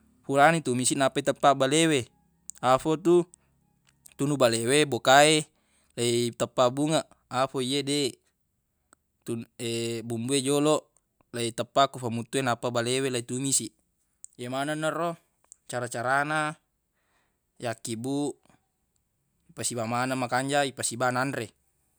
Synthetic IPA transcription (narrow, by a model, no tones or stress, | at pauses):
fulanit̪umisiʔnapait̪əpːabalewe | afot̪u | t̪unubalewebokae | lait̪əpːabuŋaʔ | afoiede | t̪ueʔbumbued͡ʒoloʔ | lait̪əpːakufamut̪ːuenapːabalewelait̪umisi | jemananːaro | t͡ʃaɾat͡ʃaɾana | jakːibuʔ | ipasibamanamakaɲd͡ʒaipasibananɾe